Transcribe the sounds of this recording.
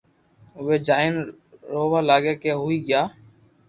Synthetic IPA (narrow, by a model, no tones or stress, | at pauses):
ʊʋeːd͡ʒaːɪn | ɾoːʋaːlaːɡeːkeːɦʊiːɠɪjaː